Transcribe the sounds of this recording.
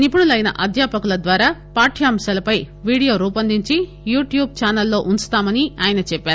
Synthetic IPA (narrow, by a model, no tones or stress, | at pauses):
nipuɽulɐjnɐ̰ʔɐd̪ʱjaːpɐkulɐd̪ʋaːɾaːpaːʈʰjaːmʃɐːlɐpɐj | ʋiːɽijo̞ːɾuːpɐnd̪iɲt͡ʃi | juːʈjuːb̚t͡ʃaːnɐlːo̞ːʔunst̪aːmɐniaːjɐnɐt͡ʃɛpːaːɾu